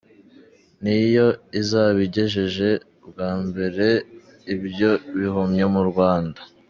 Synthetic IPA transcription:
nijo̞izaβiɟe̞ʒeʒe̞ | bɡaːmbe̞ɾe̞ | ibjo̞βihomɲemuɾɡwaːndḁ

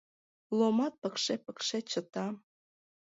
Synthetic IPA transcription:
lomɑt̪̚pɤ̆kʃepə̆kʃet͡ɕə̆t̪ɑ

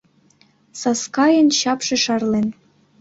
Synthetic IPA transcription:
sɑskɑjə̆nɕɑpʃĕʃɑrlen

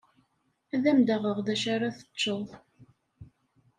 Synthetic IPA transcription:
æðæmd̪əʁəʁðæʃaɾaθə̥t͡ʃːəðˤ

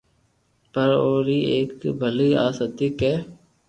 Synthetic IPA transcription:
pəɾoːɾiːeːkbʱəliːaːsət̪iːkeː

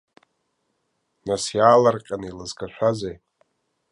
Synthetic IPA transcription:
nasjaːlarqʲʼanɨilɨzɡʰaʃʷᶣazej

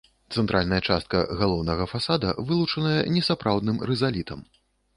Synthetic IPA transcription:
t̪sɛnt̪ɾʔalʲnɐjɐt͡ʂast̪̚kɐ̰ɣalˠɔwnɐɣɐfasad̪ɐ̰vɨlˠut͡ʂɐnɐjɛnʲɛsapɾawd̪nɨmɾɛzalʲit̪ʰɐm

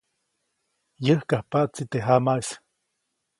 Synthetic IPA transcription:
jəhkahpaʔt͡sit̪eɦamais

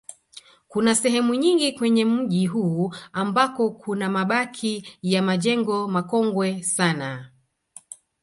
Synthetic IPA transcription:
kunasɛɦɛmuɲiŋɡikwɛɲɛm̩ʄiɦuːambakɔkʰunamaɓakʰijamaʄɛŋɡɔmakɔŋɡwɛsana

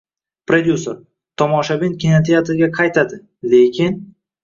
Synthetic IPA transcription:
pɾod̪ʲjusoɾ | t̪ʰɒmɒʃabɪnkʲenat̪ʰijat̪ʰɪɡʲaqʰɑjt̪ʰad̪ɪ | le̞kʲʰɪn

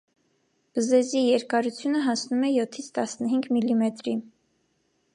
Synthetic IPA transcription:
b̥əzɛzijɛɾkɑɾut͡sʰjunəɦɑsnumɛjɔt̪ʰːit͡sʰt̪ɑsnəɦiŋɡmilːimɛt̪ɾin

